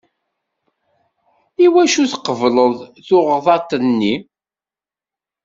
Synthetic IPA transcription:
iwæʃuθqəvləðˤθʊʁðˤɑt̪ˤənːi

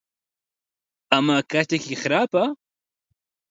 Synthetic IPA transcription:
amakat̪akiχɾapa

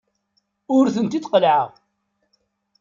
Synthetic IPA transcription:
ʊɾθənt̪it̪qəlʕə̰ʁ

